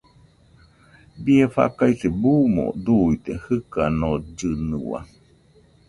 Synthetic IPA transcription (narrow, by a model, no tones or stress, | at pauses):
bieɸa̰kaiθebumo̰d̪uit̪ehɨkanod͡ʒɨnɨwa̰